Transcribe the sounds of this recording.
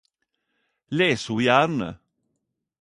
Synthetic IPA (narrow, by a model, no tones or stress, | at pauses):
leːshuːjæɾɳə̰